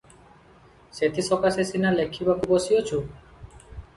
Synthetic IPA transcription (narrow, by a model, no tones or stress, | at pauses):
set̪ʰisɔkasesinalekʰibakubosiot͡ʃʰu